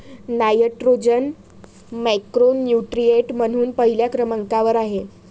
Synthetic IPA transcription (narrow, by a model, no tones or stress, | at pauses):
najəʈɾod͡ʑən | mɛkɾonːjuʈɾieʈmən̤uːnpəɦiljakɾəməŋkaʋəɾaɦe